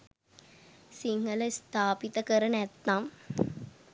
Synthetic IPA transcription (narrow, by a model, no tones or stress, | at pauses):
siŋɡɐlɐst̪aːpit̪ːɐkɐɾɐnɛt̪ːaːm